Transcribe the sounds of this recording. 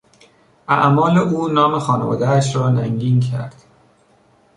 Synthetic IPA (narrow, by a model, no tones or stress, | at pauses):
ʔæ̰ʔmɒːleʔuːnɒːmexɒːnevɒ̰ːd̪ææʃɾɒːnæŋɟiːncʰæ̰ɾd̪̥